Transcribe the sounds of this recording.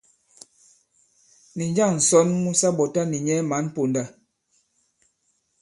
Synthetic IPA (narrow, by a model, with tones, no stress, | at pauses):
ni˨ɲd͡ʒa˦˨ŋn̩˨sɔ˦nmu˦sa˦bɔ˨ta˦ni˨ɲɛ˦ma˨˦n˦po˨nda˦